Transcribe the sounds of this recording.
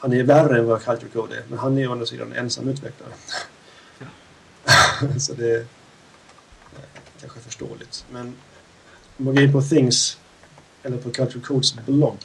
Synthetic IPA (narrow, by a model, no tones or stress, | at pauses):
hanæɾværːəɛnvɑkʰalt̪ʊlkʰoːd̪ɛ̰ɾmɛ̰nɦanæjand̪ɾasḭːd̪a̰nɛ̰nsa̰mːʉ̟ːt̪vɛkla̰ɾə | sɔd̪ɛ | kʰanɧəɛfəʂʈo̰ːlɪt̪mɛn | ɔmːanɡoɪnpʰɔθɪŋs | ɛlːəɾpʰɔkʰalt̪əkʰod̪sblɔɡ